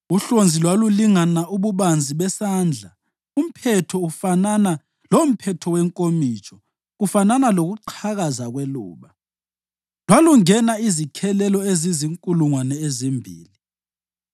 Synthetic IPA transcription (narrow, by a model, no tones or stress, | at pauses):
uɬond͡zʱilwaluliŋanauβuβand͡zʱiβɛsaːnd͡ɮʱa | um̩pʰɛtʰɔufanana | lom̩pʰɛtʰɔwɛŋkʼomit͡ʃʼɔ | ɣufananaloɣuǃʰaɣazaɣwɛlṵːɓa | lwaluŋɛnaizikʰɛlɛlɔeziziŋkʼuluŋwanɛezimbʱḭːli